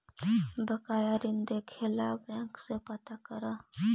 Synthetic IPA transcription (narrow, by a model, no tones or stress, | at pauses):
bəkaːjaɾɪnd̪ekʰelaːbɛ̃ŋksepɐt̪akəɾa